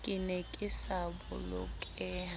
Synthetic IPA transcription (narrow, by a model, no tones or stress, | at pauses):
kʼɪneɛkʼɪsabʊ̰lɔkʼɛː